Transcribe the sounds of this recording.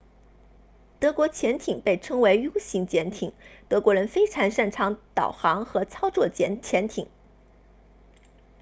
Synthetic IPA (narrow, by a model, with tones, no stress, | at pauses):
t̪ɤ˧˥kwɔ˧˥t͡ɕʰjɛ˧˥nt̪ʰi˨˩ŋpe˥˩ɪʈ͡ʂʰɤ˥ŋwe˧˥ɪju˥ʊɕi˧˥ŋt͡ɕjɛ˧˥nt̪ʰi˨˩˦ŋt̪ɤ˧˥kwɔ˧˥ɻə˧˥nfe˥ɪʈ͡ʂʰɑ˧˥ŋʂa˥˩nʈ͡ʂʰɑ˧˥ŋt̪ɑ˨˩ʊxɑ˧˥ŋxɤ˧˥t͡sʰɑ˥ʊt͡swɔ˥˩t͡ɕjɛ˧˥nt͡ɕʰjɛ˧˥nt̪ʰi˨˩˦ŋ